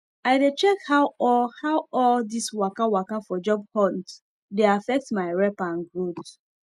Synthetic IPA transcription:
aɪdet͡ʃɛkhaʊɔhawɔldiswakawakafɔd͡ʒɔb̚hɔnt | deafɛk̚tmaɪɹɛpãnɡɹod

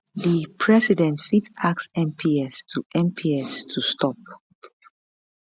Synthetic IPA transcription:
ðipʰɹɛsidɛ̃ntfitaksɛ̃mpʰiɛstʰuɛ̃mpʰiɛstʰustʰɔp̚

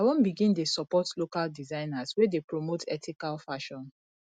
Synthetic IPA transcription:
awɔ̃nbiɡĩndesɔpɔtlokaldizãɪnazwɛdepɹomotʰɛ̰tʰikalfaʃɔ̃n

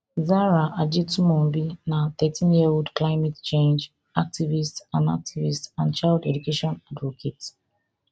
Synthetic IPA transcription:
zaɹaʔad͡ʒitumɔ̃mbinaθɛtʰĩnjioudklaɪmɛtt͡ʃẽnd͡ʒ | ak̚tivistsãnda̰k̚tʰivistsãnt͡ʃaɪldɛd͡ʒukeʃɔ̃nadvɔkʰet

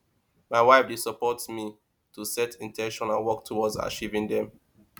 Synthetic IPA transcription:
maɪwaɪfdesəpɔtsmi | tʰusɛtʰĩntʰɛ̃nʃɔ̃nãnwɔk̚tʰuwɔdza̰t͡ʃivĩŋdɛ̃m

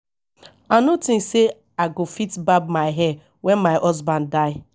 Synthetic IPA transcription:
anotĩnse | aɡofitbab̚maɪɦɛ | wɛ̃nmaɪʔɔzbãnddaɪ

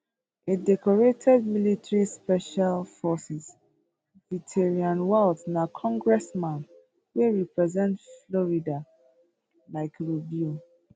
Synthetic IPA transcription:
idɛkɔɹetʰɛd̚militɹispɛʃalfɔsis | vitʰeɹiãnwaldnakʰɔ̃ŋɡɹɛsmãn | weɹipɹɛzɛ̃ntflɔɹida | laɪkɹibju

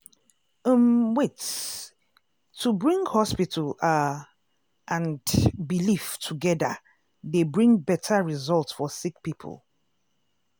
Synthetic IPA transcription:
əmwɪts | tʰubɹĩŋhɔspitʰəla | ʔə̃nbiliftʰuɡɛðə | ðebɹĩŋbɛtʰəɹizɔlˠtsfɔsik̚pipʰə̰lˠ

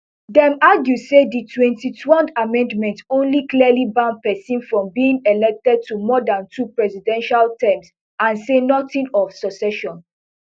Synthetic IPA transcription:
dɛ̃maɡjuseditʰwɛ̃ntitʰwɛldamɛ̃ndmɛ̃ntõnlikliəlibãnpɛsĩnfɹɔ̃mbiĩŋelɛk̚tɛd̚tʰumɔdãntʰupɹɛsidɛ̃nʃaltɛ̃ms | ãnsenɔtĩnɔfsɔsɛʃɔ̃n

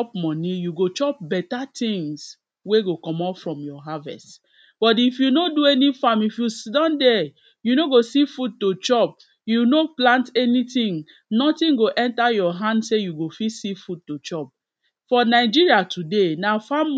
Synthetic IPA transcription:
pmɔnĩjuɡot͡ʃɔp̚bɛtatĩŋs | weɡokɔmɔfɹɔ̃mjɔɦavɛ̰st | b̥ɔt̬ifjunoduɛnifamifjusdɔ̃ndɛ | junoɡosifud̚tot͡ʃɔp̚ | junoplãntɛnitĩŋ | nɔtĩnɡoʔɛ̃ntajɔɦãndsejuɡofisifud̚tot͡ʃɔp̚ | fɔnaɪd͡ʒiɹiatʰudenafãm

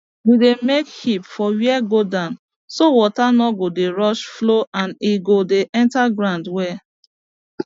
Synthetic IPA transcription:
widemekhipfɔwiɛɡodãn | sowɔtanɔɡodeɹɔʃfloʔãniɡodeʔɛ̃ntaɡɹãndwɛ

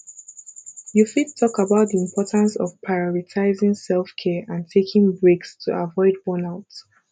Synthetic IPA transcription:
jufidtʰːɔkəbaʊt̚ðiɪ̃mpʰɔtʰə̃nsɔ̰v̥pʰɹaɪɔɹitʰaɪzɪ̃ŋsɛlˠfkʰɛəʔãntʰekʰɪ̃ŋbɹekstʰṵʔavɔɪd̚wɔnaʊt

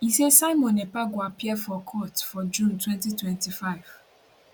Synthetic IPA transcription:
isesaɪmɔ̃nɛpaɡwapiɛfɔkʰɔtfɔd͡ʒũntwɛ̃ntitwɛ̃ntifaɪv̥

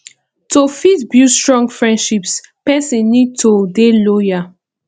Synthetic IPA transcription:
tofitbjustɹɔ̃ŋɡfɹɛ̃ndʃipspɛsĩnnid̚tʰodeloja

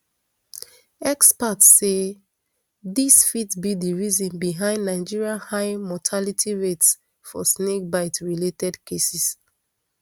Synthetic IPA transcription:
ɛkspatsse | ðisfitbidiɹizɔ̃nbiɦãɪ̃ndnaɪd͡ʒiɹiãhaɪmɔtʰalitʰiɹets | fɔsnek̚baɪtɹiletɛdkʰesis

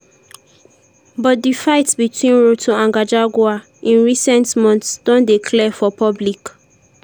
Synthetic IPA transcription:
bɔt̚difaɪtsbitʰwĩnɹotʰoãŋɡad͡ʒaɡwa | ĩnɹisɛ̃ntmɔ̃ntsd̥ɔ̃ndikʰlɛfɔpʰɔblik

